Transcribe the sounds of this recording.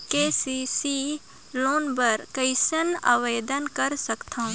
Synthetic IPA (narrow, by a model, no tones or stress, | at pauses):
keːsisi | loːnbəɾkəɪsəna̰ʋeːd̪ənkəɾsəkt̪ʰã